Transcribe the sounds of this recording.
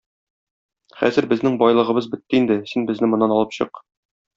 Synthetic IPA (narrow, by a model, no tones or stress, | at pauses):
χæ̰zɘɾbɘ̆znɘŋbɒjlˠɤ̆ʁɤ̆bɤzbɘ̆t̪ːɘind̪ɘsinbɘ̆znɘmŏnːɑnɒlˠɤpɕɤ̰q